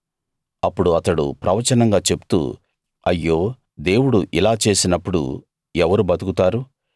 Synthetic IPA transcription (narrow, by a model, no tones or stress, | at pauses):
ɐpːuɽuɐt̪ɐɽṵpɾɐʋɐt͡ʃɐnɐŋɡaːt͡ʃe̞bu̥t̪ṵː | ɐjːo̞ː | d̪e̞ːwuɽuʔilaːt͡ʃe̞ːsinɐpːuɽṵ | ɛʋɐɾubɐt̪ukut̪aːɾu